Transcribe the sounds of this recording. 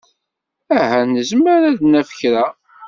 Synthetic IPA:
æɦænəzməɾæðnæfə̥çɾæ

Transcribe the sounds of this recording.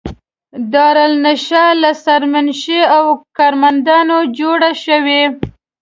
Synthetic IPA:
d̪ɑɾalnaʃalasaɾmanʃeawkɑɾmand̪ɑnod͡ʒoɽaʃəwe

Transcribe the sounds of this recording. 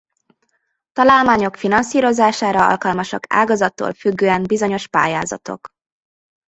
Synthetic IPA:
t̪ɒlaːlmaːɲo̞kfinɒnsiːɾo̞zaːʃaːɾɒɒ̰lkɒlmɒʃɒ̰ka̰ːɡɒzɒt̪ːo̰ːlfyɡːøːɛnbizo̞ɲo̞ʃpa̰ːjaːzɒ̰t̪o̞̰k

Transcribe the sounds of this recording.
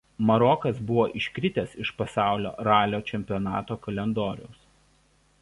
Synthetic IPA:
mɐɾɔkɐsbʊʋoːʔɪʃʲkʲɾʲɪt̪ʲɛsɪʃpɐsɑˑʊlʲo̰ːɾɑːlʲoːt͡ʃʲɛmʲpʲɪɔnɑːt̪oːkɐlʲɛnd̪oːɾʲʊ̰ʊs

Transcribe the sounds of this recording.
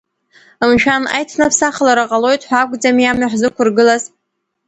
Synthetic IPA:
ɨmʃᶣʰana̰jtʰnɨpʰsaχlaɾaqʼalo̞jtʼħʷaɡʷʼd͡zamijamaħʷzɨkʷʊrɡɨlaz

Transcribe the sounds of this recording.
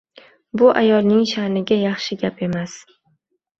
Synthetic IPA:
bʊʔajɒlˠnɪŋʃanɪɡʲajɑχʃɪɡʲape̞mas

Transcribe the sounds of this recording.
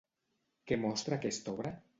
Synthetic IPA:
kemɔst̪ɾakest̪ɔβɾa

